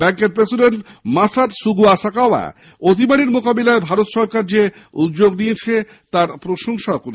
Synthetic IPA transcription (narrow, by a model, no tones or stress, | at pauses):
bɛŋkeɾpɾesiɖeɳʈmasat̪suɡuaʃakaba̰ | ot̪̬imaɽiɾmokabelaebʱaɾot̪ʃɔɾkaɾd͡ʑe | ṵt̪ːd͡ʑoɡnijet͡ɕʰe | t̪aɾpɾoʃoŋʃaokon